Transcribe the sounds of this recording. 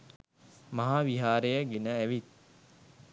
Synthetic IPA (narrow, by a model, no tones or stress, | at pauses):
maɦaːʋiɦaːɾejəɡenəæʋit̪̚